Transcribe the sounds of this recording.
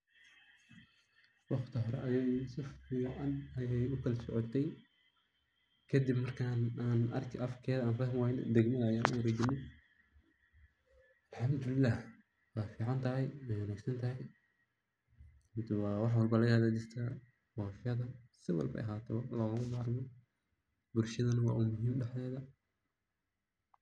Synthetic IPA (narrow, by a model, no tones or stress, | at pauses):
wɑχt̪ʰɐɦɔɾɛ̰ʔɐjɛsɪfɪjʔɐnɐjɛjʊkʰɐlɐsɔʕɔt̪ʰɛj | kʰɐd̪ibmɐrkʰaːnaːnɐ̰rkʰɪʔɐfkʰɛːðɐaːnfɐɦmwaːjnd̪ɛɡmɐajaːnʔʊɾɛd͡ʒɪnɪ | ʔɐlħɑmd̪ʊlɪlːaːh | wɑːfiːʕɑnt̪ʰɐɦɛjmɛjwʊnaːɡsɐnt̪ʰɐɦɐj | ɪnt̪ʰɪwɑːwɑħwɑlbɐlɐɣɐhɐd̪ɐd͡ʒɪrt̪ʰɐ | wɑːfɪɐðɐsɪwɑ̰lbɐ̰ʔɐ̰ɦaːt̪ʰɛwlɔːɣɣʊmaɾmɔ | bʊlʃɐðɐnɐwɑ̰ːʔuːmʊɦiːmɖɛħlɛːðɐ